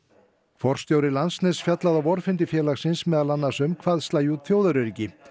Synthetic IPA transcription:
kʰfɔr̥st̪joːwɾɪlansnɛsfjat̪laðavɔɾ̥fɪnt̪̬ɪfjɛːlaxsɪnsmɛːðalanːasʏmkʰvaːðst̪aːjut̪θjoːwðaɾʏɾicɪ

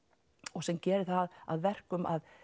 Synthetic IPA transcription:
ɔɣsɛmcɛːɾɪθaða̰ðvɛr̥kʏma̰ð

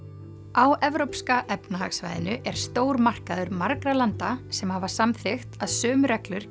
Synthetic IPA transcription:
awɛvɾowpskaʔɛpnahaksvajðɪnʏʔɛɾ̥st̪oːwɾmar̥kaðʏɾmaɾkɾalant̪asɛmhavḁsamθɪxt̪aðsœːmʏɾɛklʏɾ̥

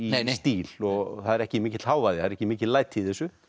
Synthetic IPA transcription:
ist̪iːlɔɣθaðɛɾɛhcɪmiːcɪt̪l̥haːwvajðɪaðɾɛhcɪmiːcɪlaːjt̪ʰːiiθɛsʏ

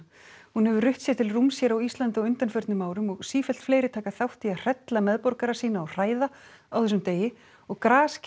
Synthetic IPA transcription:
hunhɛvʏrʏht̪sjɛt̪ʰɪlrumsjɛɾawist̪lant̪ɪɔʏnt̪anfœɾt̪nʏmaːwɾʏmɔɣsiːfɛl̥t̪fleːjɾɪt̪ʰaːkaθawht̪iar̥ɛt̪lamɛðpɔɾkaɾasiːnaɔr̥aːjðaawθɛs̬ʏmt̪eːjɪ | ɔɣkɾaːsc

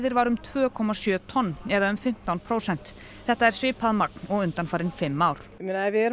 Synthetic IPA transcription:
ðɪɾvaɾʏmt̪ʰvœːkʰɔmasjœːt̪ʰɔnːɛðaʏmfɪm̥t̪awnpʰɾoːwsɛn̥t̪ | θɛht̪aɛɾ̥svɪːpʰaðmak̚n̥ɔɣʏnt̪anfaːɾɪnfɪmːawɾ̥minavɪɛɾ

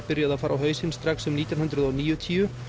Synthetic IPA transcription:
pɪɾjaðaðfaːɾʔawɦœːɥsɪnst̪ɾaksʏmniːt̪jɔnhʏnd̪ɾʏðɔwniːjʏt̪ʰiːʏ

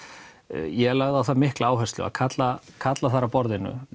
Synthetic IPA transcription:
jɛɛlaɣðawθamɪhklaaːwɦɛst̪lʏ̰a̰ðkʰat̪lakʰat̪laθaɾapɔɾðɪnːʏ̰

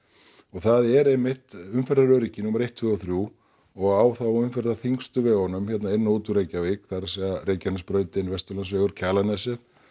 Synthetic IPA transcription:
ɔɣθaðɛɾemːɪht̪ʏmfɛɾðaɾœːɾɪcɪnuːmaɾejht̪ʰvʏːɣɔθɾju | ɔɣaːwθawʏmfɛɾðaθiŋkst̪ʏvɛɣɔnʏmçɛt̪naɪnːoːwt̪uɾejcavekθaɾasɛɣaɾejcanɪspɾœːɥt̪ɪnvɛst̪ʏɾlansvɛːɣʏɾ̥cʰaːlanɛsɛθ

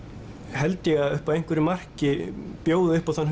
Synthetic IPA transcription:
hɛlt̪ɪjɛɣaðʏhpavejŋ̥kvɪɾɪmar̥cɪpjoːwðɪʏhpawθan

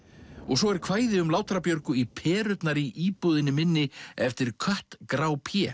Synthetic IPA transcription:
ɔɣsɔɛɾ̥kʰvaːjðɪʏmlaːwt̪ɾapjœɾkʏipʰɛːɾʏt̪naɾiʔiːpuðɪnɪmɪnːɪɛft̪ɪɾkʰœht̪kɾaːwpʰjɛː

